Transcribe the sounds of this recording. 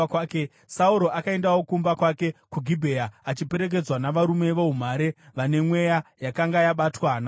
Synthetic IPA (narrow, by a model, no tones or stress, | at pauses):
kːke | sauɾo̞ʔakae̞ndawo̞kumbakwake̞kuɡʱibʱeaat͡ʃipe̞ɾek̬e̞d͡zwanaʋaɾume̞ʋoɦum̤aɾe̞ʋane̞mwe̞jajakaŋɡajaɓatwaːna